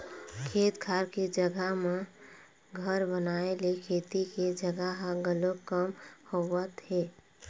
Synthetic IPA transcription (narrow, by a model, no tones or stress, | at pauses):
kʰeːt̪kʰaɾked͡ʒəɡaɦme | ɡʱəɾbənaelekʰeːt̪iked͡ʒəɡəɦaɡəlokəmhowət̪ɦeː